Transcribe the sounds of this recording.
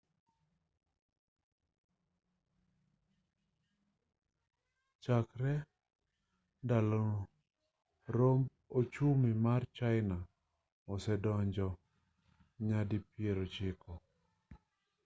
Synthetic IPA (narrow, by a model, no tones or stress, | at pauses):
t͡ʃakɾɛ | ndalɔ | ɾomb | ot͡ʃumimart͡ʃaɪna | ɔsɛdɔɲd͡ʒɔ | ɲadipjeɾot͡ʃɪkɔ